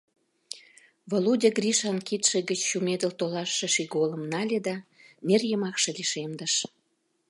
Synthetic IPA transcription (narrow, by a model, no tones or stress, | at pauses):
βoludʲeɡriʃɑnkit̪ʃĕɣət͡ɕːumed̪ə̆lt̪olɑʃːĕʃiɡolə̆mnɑlʲed̪ɑnerjəmɑkʃĕliʃemd̪əʃ